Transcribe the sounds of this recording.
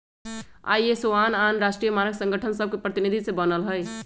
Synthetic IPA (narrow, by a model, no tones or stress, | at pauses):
a̰jesoananɾasʈɾijəmanəɡsə̃ŋɡəʈʰənsəb̚ʱkepɾət̪inid̪ʱisẽbənəlɦəj